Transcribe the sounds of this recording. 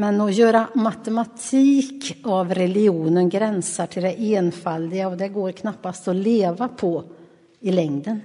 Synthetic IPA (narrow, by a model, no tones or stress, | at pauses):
mɛnɔjœːɾamat̪ɛmat̪ʰiːkavɾɛlɪuːnənɡɾɛnsaʈʰɪld̪ɛʔeːnfald̪ɪɡaɔd̪ɛɡoːɾkʰnapːast̪ɔleːvapʰɔ | ɪlɛŋd̪ən